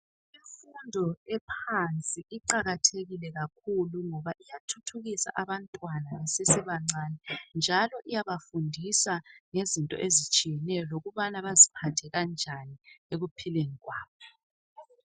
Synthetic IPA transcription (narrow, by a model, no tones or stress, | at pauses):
iɱfundʱɔɛpʰant͡sʼiʔiǃaɣatʰeɣilɛɣakʰuluŋɔβaʔijatʰutʰuɣisa̰ʔaβantʼwananɛsesiβaŋ͡ǀanɛnd͡ʒʱalɔʔijaβafundʱisaŋezintʼɔ̰ʔezit͡ʃʼijɛnɛjɔloɣuβanaβazipʰatʰɛɣand͡ʒʱanieɣupʰileŋiɣwaːβɔ